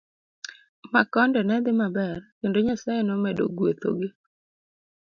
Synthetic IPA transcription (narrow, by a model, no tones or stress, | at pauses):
makɔndɛnɛd̪ɪmabɛrkendoɲasajɛnɔmedo̰ɡwet̪o̰ɡɪ